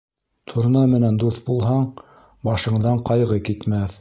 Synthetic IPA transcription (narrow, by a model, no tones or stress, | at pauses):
t̪ʰuɾ̆nɑmɘ̆nænd̪uθbulˠɦɑɴ | bɑʃɤ̆ɴd̪ɑɴqɑjʁɤkit̪mæθ